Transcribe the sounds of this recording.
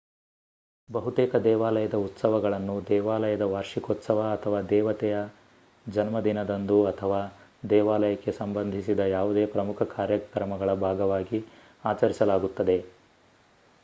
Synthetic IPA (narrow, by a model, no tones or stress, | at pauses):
bɐɦut̪eːkɐd̪ɛːʋaːlɐjɐd̪ɐut̪sɐʋɐɡɐɭɐnːud̪ɛːʋaːlɐjɐd̪ɐʋaːɾʂikoːt̪sɐʋɐːt̪ʰɐʋaːd̪ɛːʋɐt̪ɛjɐ | d͡ʒɐnmɐd̪inɐd̪ɐnd̪uɐt̪ʰɐʋaːd̪ɛːʋaːlɐjɐkːe̞sɐmbɐnd̪ʱisid̪ɐjaːʋud̪eːpɾɐmukʰɐkaːɾjɐkɾɐmɐɡɐɭɐbʱaːɡɐʋaːɡi | aːt͡ʃɐɾisɐlaːɡut̪ːɐd̪e̞